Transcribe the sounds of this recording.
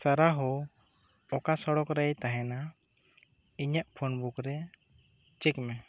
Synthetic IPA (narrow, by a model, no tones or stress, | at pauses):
saɾaɦɔ | ɔkasɔɽɔkɾɛjt̪aɦɛna | iɲaʔpʰonbukɾɛ | t͡ʃɛkmɛ